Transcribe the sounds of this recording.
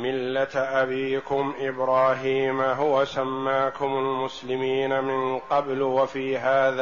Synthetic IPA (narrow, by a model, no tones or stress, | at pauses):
mɪlːat̪ʔabiːkʊmʔɪbɾɑːɦiːmɦʊwasamːaːkʊmalmʊslɪmiːnamɪnqɑblwafiːɦaːða